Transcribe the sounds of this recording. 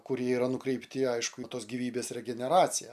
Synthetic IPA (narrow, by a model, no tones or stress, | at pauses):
kʊɾʲiɛiːɾɐnʊkɾʲɛɪpʲt̪ʲɪɐɪʃkʊt̪oːsɡʲiʋʲiːbʲeːsrʲɛɡʲɛnʲɛɾɑːt͡ssʲɪjɛ